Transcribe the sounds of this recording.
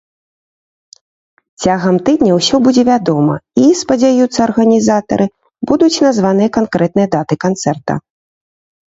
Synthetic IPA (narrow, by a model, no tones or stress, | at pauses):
t͡sʲaɣɐmt̪ɨd̪ʲnʲɐwsʲɔbud͡zʲɛvʲad̪ɔmɐ̰ispɐd͡zʲajut̪sːɐːrɣɐnʲizat̪ɐ̰ɾɨ | bud̪ut͡sʲnazvanɨjɐkankɾɛt̪̚nɨjɐd̪at̪ɨkant̪sɛrt̪ɐ̰